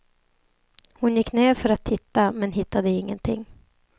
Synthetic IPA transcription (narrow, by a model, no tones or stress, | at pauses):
hʊnjɪkːneːɾfœɾat̪ʰːɪt̪ːamɛnɦɪt̪ːad̪əɪŋːənt̪ʰɪ̰ŋː